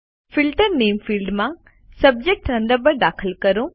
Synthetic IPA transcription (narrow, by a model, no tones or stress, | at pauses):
fɪlʈəɾneːmfiːlɖmã | sɐb̚d͡ʒek̚ʈɾɐ̃ɳɖ̪əɾbəɾɖaːkʰəlkɐɾũ